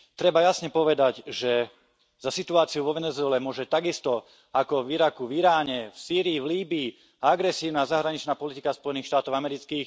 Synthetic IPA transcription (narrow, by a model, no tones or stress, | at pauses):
t̪ɾɛbajasɲɛpɔʋɛd̪aɟʒɛ | zasit̪uaːt͡siuʋɔʋɛnɛzʊɛlɛmʊɔʒɛt̪aɡist̪ɔ | akɔviɾakuviɾaːɲɛfsiːɾiːvliːbiː | aaɡɾɛsiːʊnazaɦɾaɲit͡ʃnaːpɔlit̪i̥kaspɔjɛniːxʃt̪aːt̪ɔʊamɛɾit͡skiːx